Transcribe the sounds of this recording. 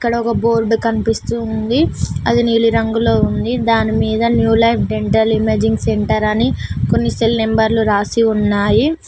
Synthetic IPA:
ikːɐɽɐɔkɐbo̞ːɾɖukɐnipist̪und̪iɐ̰d̪iniːliɾɐŋɡulo̞ːund̪id̪aːnimiːd̪ɐnjuːlɐjpʰɖeɳʈɐɾlimeːd͡ʒiŋɡseɳʈɐɾɐniko̞nːiselnembɐɾluɾaːsiunːaːji

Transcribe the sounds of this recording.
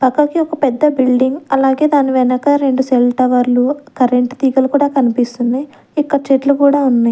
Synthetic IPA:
pɐkːɐkiɔkɐpɛd̪ːɐbilɖiŋɡɐlaːɡe̞ːd̪aːniʋɛnɐkɐɾe̞ɳɖuselʈɐʋɐɾlukɐɾeɳʈt̪iːɡɐlukuːɽaːkɐnipist̪und̪i | ikːɐt͡ʃeʈlukuːɽaːunːaji

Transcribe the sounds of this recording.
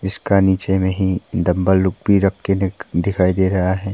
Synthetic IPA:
ɪskaniːt͡ʃemẽɦid̪ɐ̃mbəːʊk̚bʱiɾɐkʰːend̪ɪkʰaːid̪eːɾɐɦaɦɛː

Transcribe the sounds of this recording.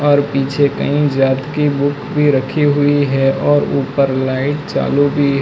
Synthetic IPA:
ɔːɾpiːt͡ʃʰekɐ̰ɦĩd͡ʒaːt̪kibʊkbʱiɾəkʰiɦʊiɦɛʔɔːɾuːpəɾlaːɪʈt͡ʃa̰ːlubʱiɦ

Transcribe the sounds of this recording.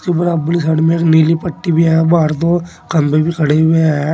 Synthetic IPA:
kebɐɾabəlisɐɽmẽːkniːlipɐʈːibʱiabaːɾt̪̬o | kɐmpebʱikʰɐɽee

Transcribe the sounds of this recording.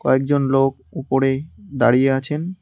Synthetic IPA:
kɔek̚d͡ʑonlok̚ | upoɾed̪aɾijeat͡ɕʰen

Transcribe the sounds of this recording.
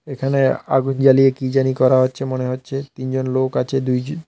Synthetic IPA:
ekʰanea̰ɡund͡ʑalijekid͡ʑanikɔɾaɦotːɕʰemoneɦotːɕʰet̪ind͡ʑonlokat͡ɕʰed̪uj

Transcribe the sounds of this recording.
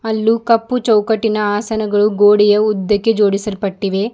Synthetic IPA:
ɐlːukɐpːut͡ʃɐwkɐʈːinɐaːsɐnɐɡɐɭuɡoːɽijɐud̪ːɐkːed͡ʒo̞ːɽisɐlpɐʈːiʋe̞

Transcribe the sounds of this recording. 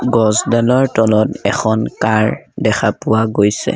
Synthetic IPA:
ɡɔzdalɔɹtɔlɔtɛxʰɔnkaɹdɛxʰapʊwaɡojsɛ̰

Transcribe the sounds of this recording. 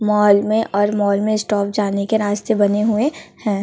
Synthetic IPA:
mɔːlmẽʔʔɔːɾmɔːlmẽsʈɔːp̚d͡ʒaːnekeɾaːst̪ebɐneɦʊehɛ̃ː

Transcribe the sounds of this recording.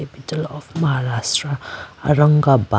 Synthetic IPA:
epitəlɔfmɐɦaɾasʈɾaa̰ɾəŋɡaba

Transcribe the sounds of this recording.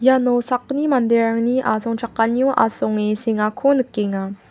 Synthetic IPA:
janɔsak̚nimand̪eɾaŋniʔazɔŋʈ͡ʂʰakːanjɔʔa̰sɔŋeseŋakʰonɯkːeŋa

